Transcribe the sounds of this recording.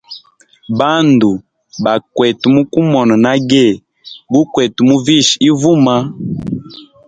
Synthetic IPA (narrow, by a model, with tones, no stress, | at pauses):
ba˦ndu˨ | ba˨kwɛ˨tu˨mu˦ku˦mɔ˨nɔ˨na˦ɡɛ˦˨ | ɡu˦kwɛ˨tu˨mu˦vi˦˨ʃi˦vu˦ma˦